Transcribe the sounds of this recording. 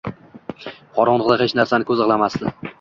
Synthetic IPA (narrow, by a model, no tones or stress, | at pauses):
qʰɒɾɒɴlˠɨʁd̪aɦet͡ʃnaɾsanɪkʰɵzɨʁlˠamasd̪ɪ